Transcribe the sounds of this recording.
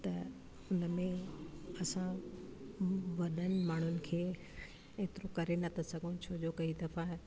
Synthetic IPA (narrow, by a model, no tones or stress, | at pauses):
t̪ɐ | ʊnəmẽɐsã | ʋɐɗənɪ̆maːɳ̤ʊnɪ̆kʰeː | eːt̪ɪɾokɐɾenɐt̪ʰɐsɐɡʱõt͡ɕʰoːd͡ʑokɐid̪ɐfãɦ